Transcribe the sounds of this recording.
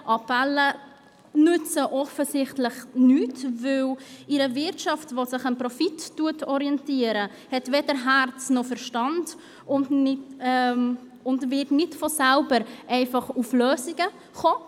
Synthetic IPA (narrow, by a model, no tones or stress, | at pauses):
ʔɑpɛlːə | nʏt͡səʔɔfəsɪχtlɪχnyːtvɪlʔɪɾəvɪɾtʃɑftvosɪχɑnpɾɔfitːuətʰɔɾiɛntiəɾə | hɛtvɛdəɾɦært͡snɔfəɾʃtɑnd | ʊnɪ | ʊndvɪɾtnɪtfosalbəɾʔɛɪfɑχufløːsɪɡə | χoː